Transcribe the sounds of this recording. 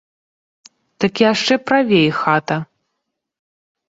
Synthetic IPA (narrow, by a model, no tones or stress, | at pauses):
d̪̥ɐkʲiaʂt͡ʂɛpɾavʲejxat̪ɐ